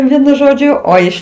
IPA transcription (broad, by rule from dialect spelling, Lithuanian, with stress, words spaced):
ˈʋʲiɛnʊ ˈʒoːd͡ʒʲʊ ˈoː ɪʃ